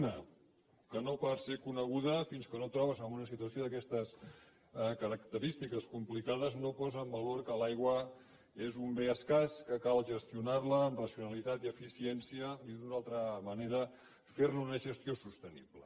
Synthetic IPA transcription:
nə | kənopaɾsekunəɣ̞uðəfinskənot̪ɾɔβ̞əzəmunəsit̪uəsjoðəkɛst̪əs | kəɾəkt̪əɾist̪ikəskumplikaðəznopɔzəːmbəloɾkəlajɣwə | ezumbeəskaskəkalˠʒəst̪iunaɾləːmrəsiunəlit̪at̪iəfisiɛnsiəniðunalˠt̪ɾəməneɾə | feɾnunəʒəst̪josust̪ənḭβlə

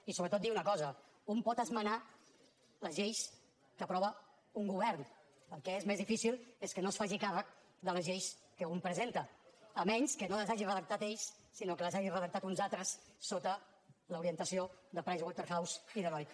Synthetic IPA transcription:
isoβɾət̪ot̪d̪iwunəkɔzə | umpɔt̪əzməna | ləzʒejs | kəpɾɔβə | uŋɡuβɛɾn | pəlˠkɛezmezðifisilˠeskənosfaʒikarək̚ | ðələzʒejskəumpɾəzent̪əːmɛnskənoləzaʒirəðək̚t̪at̪eʎs | sinokələzaʒirəðək̚t̪at̪unzalˠt̪ɾəsː | ot̪ə | ləuɾiənt̪əsioðəpɾajzwɔlˠt̪əɾxawsiðəlɔj

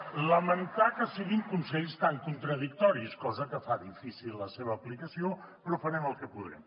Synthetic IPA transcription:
ləmənt̪akəsiɣiŋkunsɛʎst̪aŋkunt̪ɾəðik̚t̪ɔɾiskɔzəkəfaðifisilːəseβəːplikəsio | pɾɔfəɾɛməlˠkəpuðɾɛ̰m

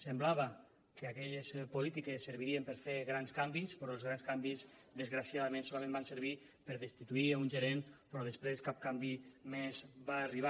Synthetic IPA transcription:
semblaβa | keakɛʎespulit̪ikesːəɾβiɾiempəɾfeɣɾanskambispɾɔelˠzɣɾanskambizd̪əzɣɾasjaðamẽnsolamẽmbansəɾβ̞i | pəɾðəst̪it̪uiunʒeɾenpɾɔðespɾeskap̚kambimezβaːriβ̞a

